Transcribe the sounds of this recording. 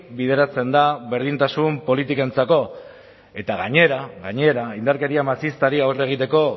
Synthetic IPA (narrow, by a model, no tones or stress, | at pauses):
bið̞e̞ɾat͡se̞nd̪aβe̞ɾð̞int̪asumpo̞lit̪ikae̞nt͡sako̞ | e̞t̪aɣaɲe̞ɾaɣaɲe̞ɾaind̪aɾke̞ɾiamasist̪aɾiawre̞ɣ̞it̪e̞ko̞